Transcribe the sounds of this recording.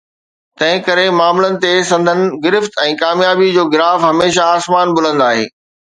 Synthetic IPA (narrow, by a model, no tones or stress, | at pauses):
t̪ɐ̃ɦɪ̃kɐɾemaːmlənɪ̆t̪esɐ̃nd̪ʱənɪ̆ɡɪɾɪft̪ɛ̃ːkaːmjaːbid͡ʑoːɡɪlaːfɦɐmeːʃaaːsmaːnbʊl̤ə̃nd̪aːɦḛː